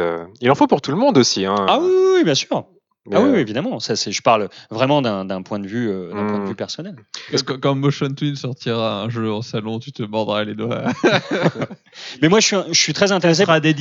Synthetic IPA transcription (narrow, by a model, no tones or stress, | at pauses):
ø̰ilɑ̃fopuʁt̪ulmɔ̃d̪osiɛ̃awiwibjɛ̃syːʁ | mawiwievid̪amɑ̃sasɛʒəpaʁlvʁɛmɑ̃d̪ɛ̃d̪ɛ̃pwɛ̃d̪əvyød̪ɛ̃pwɛ̃d̪əvypɛʁsɔnɛlkkkɑ̃moʃɔnt̪winsɔʁt̪iʁaɛ̃ʒøɑ̃salɔ̃t̪yt̪əmɔʁd̪ʁaled̪wa | mɛmwaʒəsɥiɛ̃ʒəsɥit̪χɛzɛ̃t̪eʁes̬eʁad̪ed̪